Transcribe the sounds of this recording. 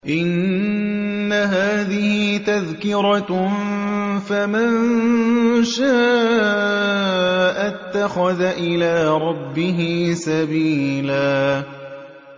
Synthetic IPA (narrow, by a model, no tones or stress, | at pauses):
ʔɪnː | aɦaːðɪhɪt̪aðkɪɾˤɑ | famann | ʃaː | ʔat̪ːaxaðaʔɪlaːɾˤɑbːɪɦɪsabiːlaː